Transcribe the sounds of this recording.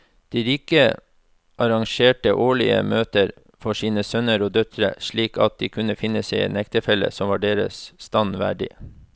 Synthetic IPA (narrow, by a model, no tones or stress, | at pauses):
d̪̥iːɾiːkə | ʔɑɾɑŋʃeːʈəʔoːɭɪə̰møːt̪əɾ | fɔʂiːnəsœnəɾoːd̪œt̪ʰɾə̰ʃɭiːkɑ̰t̪̚d̪iːkʰʉnəfɪnəsɛɪɛ̰ːnɛkt̪əfɛlːə̰sɔmʋɑːɖeːɾə̰sst̪ɑnʋæ̰ːɖɪ̰